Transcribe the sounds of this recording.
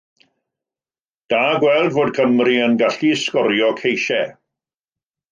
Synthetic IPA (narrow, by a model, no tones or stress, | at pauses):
d̥aːɡwɛlˠdvoːd̚kʰəmriənɡaɬiskɔɾjɔkʰejʃɛ